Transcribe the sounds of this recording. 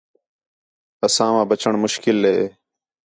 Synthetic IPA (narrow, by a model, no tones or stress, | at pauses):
əsãːʋãːbət͡ɕəɳmʊʃkɪlːeː